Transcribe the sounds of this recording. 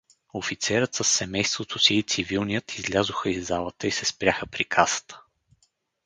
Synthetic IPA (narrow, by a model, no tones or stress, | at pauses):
ofit̪sɛɾət̪səsːɛmɛjst̪vot̪ʰosiːt̪sivilˠnijət̪ʰizlʲazʊxəizːalˠət̪əisɛspɾʲaxəpɾikʰasə̥t̪ʰə̥